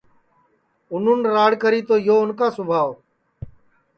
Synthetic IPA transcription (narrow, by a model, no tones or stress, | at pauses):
ʊnuːnɾaːɽkəɾiːt̪oːjoːʊnkaːsʊbʱaːʋ